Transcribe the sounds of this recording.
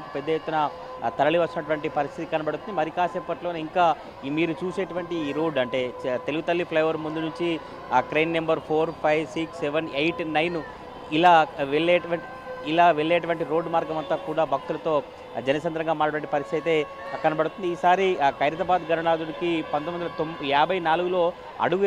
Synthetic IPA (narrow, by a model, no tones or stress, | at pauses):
kipɛd̪ːɐjet̪ːunɐ | t̪ɐɾɐɭiʋɐt͡ʃt͡ʃːinɐʈuʋɐɳʈipɐɾist̪ʰit̪ikɐnɐbɐɽut̪und̪imɐɾikaːsɛpːɐʈlo̞ːniŋkaː | miːɾut͡ʃuːseːʈuʋɐɳʈiːɾo̞ːɖɐɳʈe̞ːt̪e̞luɡut̪ɐlːipʰlɐjʋɐɾmund̪unuɲt͡ʃi | kɾɐjnːɐmbɐɾpʰo̞ːɾpʰɐjʋsikseʋɐnejʈnɐjnu | ilaːʋeɭːeːʈɐʋɐɳʈi | ilaːʋeɭːeːʈuʋɐɳʈiɾo̞ːɖːmaːɾɡɐmɐnt̪aːkuːɽaːbʱɐk̚t̪ulɐt̪o̞ː | d͡ʒɐnɐsɐnd̪ɾɐŋɡaːmaːɽɐɐʋɐɳʈipɐɾist̪ʰit̪ɐjt̪e̞ː | kɐnɐbɐɽut̪und̪iːsaːɾikɐjɾɐt̪̬ɐbaːd̪ɡʱɐɾɐɳaːd̪uɽikipɐnt̪ɐmɐnd̪ɐlɐt̪aːbʱɐjnaːluɡulo̞ː | ɐ̰ɽuɡ